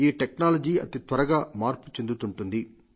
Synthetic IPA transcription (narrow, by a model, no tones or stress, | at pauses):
iːʈeknaːlɐd͡ʒiːɐ̰t̪it̪ʋɐɾɐɡaːmaːɾpu̥t͡ʃe̞nd̪ut̪uɳʈund̪i